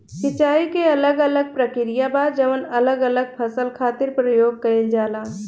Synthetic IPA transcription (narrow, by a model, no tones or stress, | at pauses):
kɪt͡ʃaːikeɐləɡələɡ̚pɾəkɪɾijabaːd͡ʒəʋənɐləɡələɡ̚pʰəsəlkʰaːt̪ɪɾpɾəjoːɡ̚kəɾeld͡ʒaːlaː